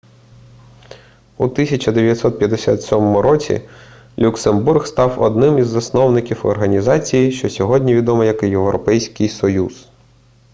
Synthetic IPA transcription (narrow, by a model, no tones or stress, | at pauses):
ut̪isʲɐt͡ʃɐd̪eʋʲjɐt̪sɔt̪̚pʲjɐd̪ːesʲat̪sʲɔmɔmʊɾɔt͡sʲḭ | lʲuksemburxst̪ɑwɔ̰d̪nɪmizːɐsnɔwnɪkʲiwɔ̰rɦɐnʲizɑt͡sʲijiʃt͡ʃɔsʲɔɦɔdʲnʲiʋʲid̪ɔmɐjɐkjewɾɔpɛjsʲkɪjsɔjuz̥